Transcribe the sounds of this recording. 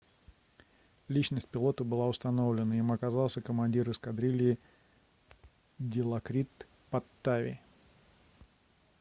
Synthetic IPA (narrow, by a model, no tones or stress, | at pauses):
lʲit͡ɕnəsʲt̚ʲpʲɪlˠo̞t̪əbɨlˠaʊst̪ɐno̞vlʲɪnəimɐkazɑlˠsʲəkəmɐnʲdʲiɾɨskɐd̪ɾʲilʲɪː | dʲɪlˠɐkɾʲit̪ | pɐt̪ːavʲɪ̰